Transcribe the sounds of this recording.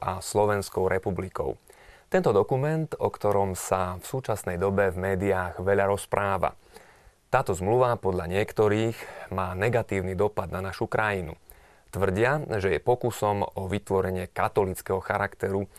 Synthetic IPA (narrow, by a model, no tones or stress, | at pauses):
ʔa̰slɔʋɛnskɔʊɾʔɛpublikɔ̰ʊt̪ɛnt̪ɔd̪ɔkumɛnt̪ɔkt̪ɔɾɔmsafsuːt͡ʃasnɛjd̪ɔbɛvmɛːd̪iaːɣʋɛʎaɾɔspɾʔaːʋa̰ | t̪aːt̪ɔzmluʋapɔd̪ʎaɲɪɛkt̪ɔɾiːɣmaːnɛɡat̪iːʊnid̪ɔpad̪̚nanaʃukɾʔajinṵ | t̪ʋr̩ɟɪaʒɛjɛpɔkusɔmɔʋit̪ʋɔɾɛɲɪɛkat̪ɔlit͡skɛɦɔxaɾakt̪ɛɾu